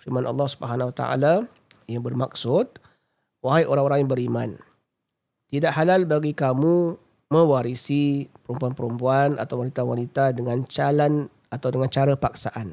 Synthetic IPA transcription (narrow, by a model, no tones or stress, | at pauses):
firmanʔɑ̰lːɑhsubəɦanwat̪a̰ʔa̰la | jaŋbərmak̚sʊd̪̚ | waɦajʔoɾaŋoɾaŋjaŋbəɾimã̰n | t̪idaʔhalalbaɡikamu | mə̃waɾisipəɾumpuanpəɾumpuana̰t̪awanit̪awanit̪adəŋãnt͡ʃalan | at̪awdəŋãnt͡ʃaɾapak̚saʔan